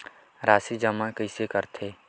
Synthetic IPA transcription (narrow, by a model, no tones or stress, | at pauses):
ɾaːsid͡ʒɐmãkəɪsekɐɾt̪ʰeː